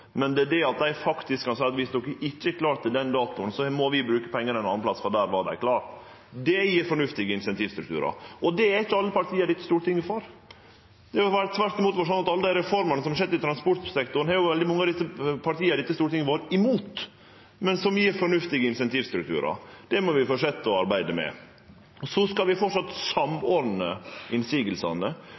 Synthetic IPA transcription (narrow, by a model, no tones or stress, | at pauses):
mɛnd̪ɛd̪ɛɑt̪̚d̪æɪfɑkt̪ɪskʰːɑnsæɪɑt̪ʋɪsd̪ɔkːəʔɪt͡ʃːəɛkʰlɑːʈt̪ːɪld̪ɛnd̪ɑːt̪ʊnsɔmɔʋɪbɾʉːkəpʰɛŋːəɾɛnɑnːnplɑt̪sfɔd̪æːɾʋɑd̪æ̰ɪkʰlɑːɾʈ̪ | d̪ɛjiːɾfɔɳʉft̪ɪɡəɪnsɛnt̪ʰiːʋst̪ɾʉkt̪ʰʉ̰ːɾɑ̰ʔɔd̪ɛæɪçːəɑlːəpɑɾʈ̪ʰiːəɾɖɪt̪ːəst̪uːɾət̪ɪŋːəfɔɾ | d̪̥ɛɔʋæːɾət̪ʰʋæɾʈ̪ɪmuːt̪ʋoːɾʂ̬ɔnːɑt̪ɑlːəd̪æɪɾɛfɔɾmɑnəsɔmɑʂ̬ɛd̪ːɪt̪ʰɾɑnspɔʈt̪sɛkt̪ʊɾn̩hɑɾjʊʋɛld̪ɪmɑŋːɑːʋd̪ɪsəpʰɑʈ̪iːəɾɖ̪ɪt̪ːəst̪uːɾət̪ɪŋəʋoːɾəɪmuːt̪ | mɛnsɔmjiːɾfɔɳʉft̪ɪɡəɪnsɛnt̪iːʋst̪ɾʉk̚t̪ʰʉ̰ːɾɑ̰d̪̥ɛmɔʋɪfoːʂɛt̪ːəɔɑɾbæɪd̪əmɛ̰ | ɔsɔskɑlʋɪfɔʈʂɑt̪sɑmoɾd̪n̩əɪnsiːɡəlsɑ̰nə